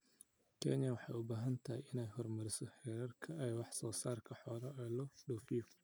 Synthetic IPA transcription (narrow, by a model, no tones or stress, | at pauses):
kʰɛ̰njɐwɑħɑ̰jʊbaːɦɐnt̪ʰɐɦɪjɪnɛjɦɔrmɐɾɪsɔħɛːɾɐrkʰɐɛːwɑħsɔːsaːrkʰɐħɔːlɐɛːlɔɖɔːfɪjɔ